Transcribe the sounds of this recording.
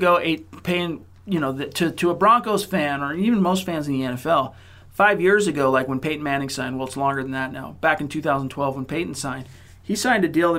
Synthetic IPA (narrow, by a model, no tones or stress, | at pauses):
ɡoʊʔeɪt̚pʰeɪ̃ŋ | jɨñoʊðɨtʰɨɾʰɨəbɹɑ̃ŋkoʊz̥fæ̃nə˞iṽn̩moʊstfæ̃nzn̩ðiɛ̃ñɛfɛlˠ | faɪvjɪɹzɨɡoʊlaɪkwə̃npʰeɪʔn̩mæ̃ñɪ̃ŋsãɪ̃nwɛlˠətslɔ̃ŋɡə˞ðn̩ðɨtⁿnaʊb̥ækɨ̃n̩tʰʉθaʊzn̩tʰw̥ɛlˠvwə̃npʰeɪʔn̩sãɪ̃n | isãɪ̃ntɨdilˠə̃